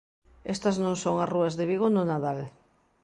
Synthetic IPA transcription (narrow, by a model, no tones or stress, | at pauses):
est̪ɐznõŋsoŋasruɐzðeβ̞iɣonʊnaðal